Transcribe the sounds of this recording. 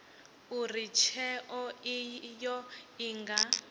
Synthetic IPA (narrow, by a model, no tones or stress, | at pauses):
urit͡ʃʰɛʔɔijɔiŋɡa